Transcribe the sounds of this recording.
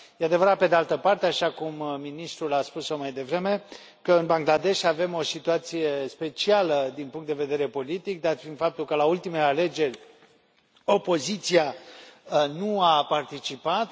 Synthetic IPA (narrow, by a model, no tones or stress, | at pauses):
jead̪e̞vəɾat̪̚pe̞d̪ealt̪əpart̪eaʃakumːinist̪ɾulaspusomajd̪e̞vɾe̞me̞ | kəɨnbaŋɡlad̪e̞ʃave̞mo̞sit̪uat̪sije̞spe̞t͡ʃialəd̪inpuŋkt̪d̪eve̞d̪e̞ɾe̞po̞lit̪ik̚d̪at̪find̪fap̚t̪ulkəlault̪imeleale̞d͡ʒe̞rʲ | o̞po̞zit̪sia | nuapart̪it͡ʃipat̪